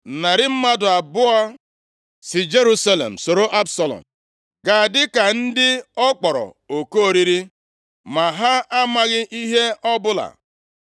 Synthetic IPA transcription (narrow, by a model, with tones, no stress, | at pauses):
na˨ɾɪ˦m̩˦ma˦dʊ˨a˨bʊ˦a˦ | sɪ˨d͡ʒe˦ɾu˦sa˦lḛ˨m̩˨so˨ɾo˦ʔa˦bsa˨lɔ̰˨m | ɡa˨dɪ˦ka˨n̩˦dɪ˦ɔ˦k͡pɔ˨ɾɔ̰˨ | o˨ko˦o˦˨ɾi˦ɾi˦ | ma˨ɦa˦a˦ma˦ɣɪ˦ʔi˦ɦe˦ɔ˦bʊ˦la̰˨